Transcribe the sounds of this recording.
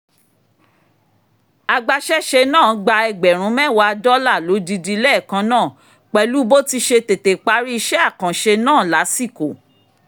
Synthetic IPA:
a˨ɡ͡ba˧ʃɛ˦ʃe˧nãː˦˨˦ɡ͡ba˧ɛ˧ɡ͡bɛ˨ɾ̃ũ˨˦mɛ˦˨wa˧˦˧dɔ˦la˦˨lo˨˦di˧di˧lɛ˦˨kã˨˦nãː˦˨ | k͡pɛ˧lu˨˦bo˦ti˧ʃe˧te˨te˨k͡pa˨˦ɾi˦˧ʃɛ˦a˦˨kã˨ʃe˧nãː˦˨la˨˦si˦˨ko˨

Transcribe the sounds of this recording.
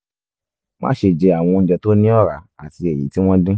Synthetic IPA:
mã̰˦ʃe˧˨d͡ʒɛ˧a˨w̃ɔ̃˧ñ̩˨˦d͡ʒɛ˧to˦nĩ˦ɔ˦˨ɾa̰˨˦a˦˨ti˧ɛ˨jḭ˨˦ti˦w̃ɔ̃˦dĩ˦

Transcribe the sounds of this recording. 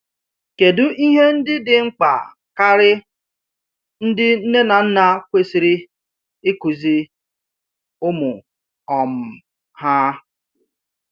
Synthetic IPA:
ke˨dʊ˦ʔi˦ɦe˦n̩˦dɪ˦dɪ˨ŋ͡m̩˦k͡pa̰˨ | ka˦ɾɪ˦ | n̩˦dɪ˦n̩˦ne˦na˨n̩˦na˦kʷe˨si˨ɾi˦ | ɪ˦ku˨zi˦ | ʊ˦mʊ˨ | ɔ˨m̩˨ | ha˦

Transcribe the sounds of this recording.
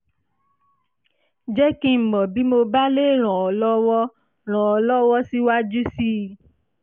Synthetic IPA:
d͡ʒɛ˦kĩ˦m̩˨mɔ̃˨bi˨˦mo˧ba˦le˦˨ɾ̃ɔ̃˨ɔ˨lɔ˦wɔ˦ | ɾ̃ɔ̃˨ɔ˨lɔ˦wɔ˦si˦wa˦d͡ʒu˦si˦˨

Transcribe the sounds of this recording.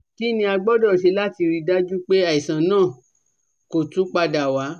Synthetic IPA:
ki˦nĩ˧˦a˧ɡ͡bɔ˦dɔ˦˨ʃe˧˦la˦ti˧ɾi˦˧da˦d͡ʒu˦k͡pe˦a˦˨i˨sã˨nãː˦˨ | ko˨tũ˨˦k͡pa˧da˨wa˨˦

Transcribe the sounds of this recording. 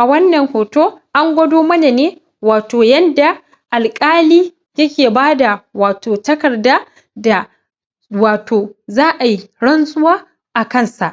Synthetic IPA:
ʔa˨wɐ˦nːɐ˨ŋhoː˨toː˦ʔa˦ŋɡʷɐ˦doː˦mɐ˦neː˨neː˦ | waː˨toː˨jɐ˦nda˨ | ʔa˨lkʼaː˦liː˦ | jɐ˦kʲeː˨baː˦da˨waː˨toː˨tɐ˦kɐ˨rdaː˦ | da˨ | waː˨tʰoː˨zaː˦ʔa˨ji˦ɽɐ˦nsʼʊ˦waː˦ | ʔa˨kɐ˦˨nsa˨ʔ

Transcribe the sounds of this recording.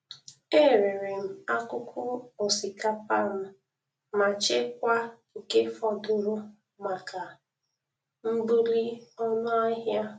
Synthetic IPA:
e˦ɾe˨ɾe˨m̩˨a˦kʊ˦kʰʷʊ˦o˨si˨ka˦pa˦˨m̩˨ | ma˨t͡ʃe˦kʷa˦ŋ̩˨ke˦fɔ˦dʊ˦ɾʊ˦ | ma˨ka˨ | m̩˦bu˦ɾi˦ɔ˦nʊ˦a˦ɦja˦

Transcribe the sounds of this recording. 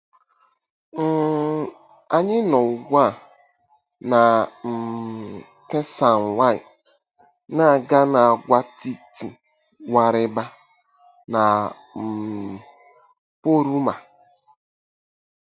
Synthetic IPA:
n̩˦˨ | a˨ɲɪ˦nɔ˨ɡʷa˦˨ | na˨m̩˨ | tɛ˦sa˨n˨wa˦ɪ˨ | na˦˨ɡa˦na˨a˨ɡʷa˦ti˦ti˨ | wa˨ɾɪ˦ba˦ | na˨ | m̩˨ | po˦ɾu˦ma˨

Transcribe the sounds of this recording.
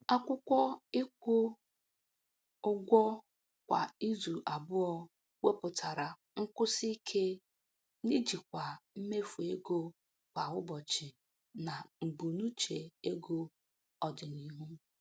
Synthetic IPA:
a˦kʷʊ˦kʷɔ˦ɪ˦kʷʊ˦ | ʊ˦ɡʷɔ˦ | kʷa̰˨i˦zu˨ʔa˨bʊ˦ɔ˦ | we˦pʊ˨ta˨ɾa˨ | ŋ̩˦kʊ˦si˦kʰe˦ | ni˦d͡ʒi˨kʷa˨m̩˦me˦fu˨e˦ɡo˦ | kʷa˨ʊ˦bɔ˨t͡ʃɪ˨ | na˨m̩˨bu˨nu˦t͡ʃe˨e˦ɡo˦ | ɔ˨dɪ˨ni˦ɦu˦

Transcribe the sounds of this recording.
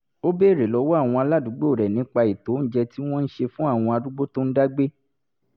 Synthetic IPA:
o˦be˦˨ɾe˨lɔ˨˧˦wɔ˦a˦˨w̃ɔ̃˧a˧la˦du˨˦ɡ͡bo˦˨ɾɛ˨nĩ˨˦k͡pa˧i˨to˨˦n̩˦d͡ʒɛ˧ti˦w̃ɔ̃˦n̩˦ʃe˧fũ˦a˦˨w̃ɔ̃˧a˧du˦ɡ͡bo˦to˦n̩˦da˦ɡ͡be˦

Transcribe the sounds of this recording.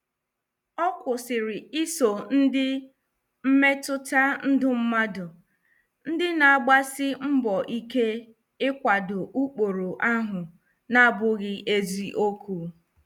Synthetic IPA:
ɔ˦kʷʊ˨sɪ˨ɾɪ˨i˦so˨n̩˦dɪ˦ | m̩˦me˦tʊ˦ta˦n̩˦dʊ˦m̩˦ma˦dʊ˨ | n̩˦dɪ˦na˨a˨ɡ͡ba˦sɪ˦m̩˦bɔ˨ʔi˦ke˦ | ɪ˦kʷa˨dʊ˨ʔu˦k͡po˨ɾo˨ʔa˦ɦʊ˨ | na˦˨bʊ˦ɣɪ˦ʔe˦zi˦ʔo˦ku˦

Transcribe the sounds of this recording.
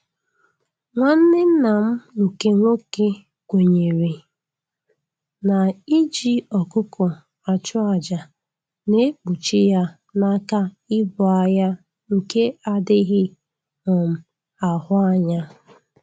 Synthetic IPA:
ŋʷa˦n̩˦nɪ˦n̩˦na˨m̩˦ŋ̩˨ke˦ŋʷo˦ke˦ | kʷe˨ɲe˨ɾe˨ | na˨i˦d͡ʒi˦ɔ˨kʊ˦kʰʊ˨ | a˨t͡ʃʊ˦a˨d͡ʒa˨ | ne˦k͡pu˨t͡ʃi˦ja˦ | na˦ka˦ | ɪ˦bʊ˨a˨ja˦ | ŋ̩˨ke˦a˦dɪ˦ɣɪ˦ | mʊ˨m̩˨ | a˨ɦʊ˦a˦ɲa˦

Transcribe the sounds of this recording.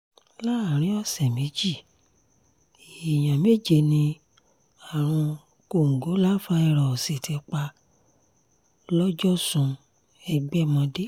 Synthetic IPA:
la˦a˨ɾ̃ĩ˨˦ɔ˦˨sɛ˨mẽ˨˦d͡ʒi˦˨ | i˨j̃ã˨me˦d͡ʒe˧˨nĩ˧ | a˨ɾ̃ũ˧ | ko˧˨ŋ̩˨ɡo˨˦la˦fã˧˦ɛ˧ɾɔ˨se˨tʰe˧k͡pa˧ | lɔ˦d͡ʒɔ˦sũ˧ | ɛ˧ɡ͡bɛ˦mɔ̃˧de˦

